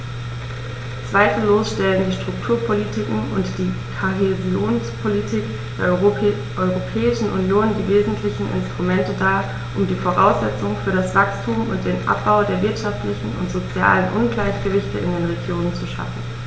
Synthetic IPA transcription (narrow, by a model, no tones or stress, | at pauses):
t͡sv̥aɪfl̩ːoːsʃtɛləndiːʃtʁ̥ʊktʰuːɐpʰolitʰikŋ̩ʊ̰ntd̥iːkʰoɦezioːnspʰolitʰiːk | d̥eːɐ | ʔɔʏʁopʰɛːɪʃn̩ʔʊnjoːndiːveːzn̩tʰlɪçn̩ʔɪ̰nstʁ̥umɛntədaː | ʔʊmdiːfoʁa̰ʊsz̥ɛt͡sʊŋfyːɐɾasv̥akstʰuːmʊ̰nt̚d̥eːnʔa̰p̚b̥aʊdeːɐvɪɐtʃaftlɪçn̩ʊ̰ntz̥ot͡sja̰ːlənʔʊnɡlaɪçɡ̥əvɪçtəʔɪ̰ndeːnʁeɡjoːnənt͡suʃa̰fn̩